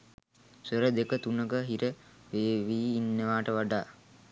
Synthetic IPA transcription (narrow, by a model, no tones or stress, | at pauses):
səɾəd̪ekət̪unəɡəɦiɾəʋeːʋiːnːəʋaːʈəʋaɖaː